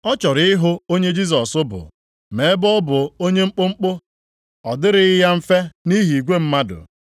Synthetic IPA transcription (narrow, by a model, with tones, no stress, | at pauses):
ɔ˦t͡ʃɔ˨ɾɪ˦ɪ˦ɦʊ˦o˦ɲe˦d͡ʒi˦s̬ɔ˨sʊ˦bʊ̰˨ | me˨˦bɔ˦bʊ˨o˦ɲe˦ŋ͡m̩˦k͡pʊ˦ŋ͡m̩˦k͡pʊ˦ | ɔ˨dɪ˦ɾɪ˦ja˦m̩˦fe˦ni˦ɦi˨ɡʷe˦m̩˦ma˦dʊ̰˨